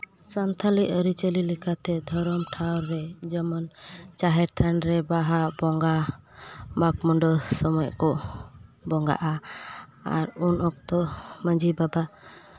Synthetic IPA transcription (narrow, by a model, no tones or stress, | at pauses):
sant̪ʰaliʔəɾit͡ʃəlilɛkat̪ɛd̪ʱɔɾɔmʈʰawɾːɛd͡ʒɔmɔnt͡ʃaɦɛɾt̪ʰanɾɛbaɦaʔbɔŋɡa | mak̚mɔɳɖɔsɔmɔɔʔkɔ | bɔŋɡa̰ʔa | a̰ɾunɔk̚t̪ɔməɲd͡ʒʱibaba